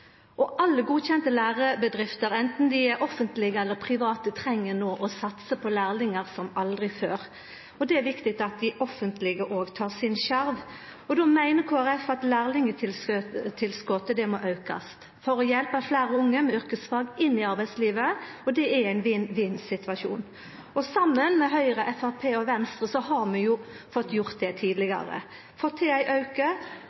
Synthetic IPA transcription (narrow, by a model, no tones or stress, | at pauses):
ʔɔʔɑlːəɡuːçɛnt̪əlæːʁəbəd̪ɾɪft̪əɾɛnt̪n̩d̪ɪʔɔfːənt̪lɪɡəɛlːəɾpʰɾɪʋɑːt̪ət̪ʰɾɛŋːənoːʔɔsɑt̪səpʰɔlæːʁlɪŋəʁsɔmɑld̪ʁɪføːɾ | ɔd̪ɛæʋɪkt̪ɪkt̪ɑt̪̚d̪ɪʔɔfːənt̪lɪɡəʔoːɡt̪ʰɑːʁsɪnʃæɾʋ | ɔd̪ɔmæɪnəkʰoːæʁɛfɑt̪læːʁlɪŋə | t̪ʰːɪlskɔt̪əd̪ɛmoːʔɑʉkɑ̰st̪ | fɔɾɔjɛlpəflæːɾəʊŋːəmɛʏɾkəsfɑːɡɪnːɪɑɾbæɪsliːʋəɔd̪ɛææɪnʋinʋiːnsɪt̪ʋɑʂṵːn | ɔsɑmːənmɛɦœʏɾəʔɛfæʁpʰeːɔʋɛnst̪ʁəsɔhɑɾmɛjʊ | fɔt̪ːjʊɾt̪̚d̪ɛt̪ʰiːd̪lɪɡɑ̰ɾə̰ | fɔʁt̪ʰɪæɪʔɑʉkə